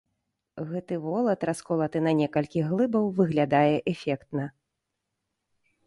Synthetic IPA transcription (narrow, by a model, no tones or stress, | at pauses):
ɣɛt̪ɨvɔlˠɐt̪raskɔlˠɐt̪ɨnɐnʲɛkɐlʲkʲiɣlˠɨbɐwvɨɣlʲad̪ajɛʔɛfʲɛkt̪nɐ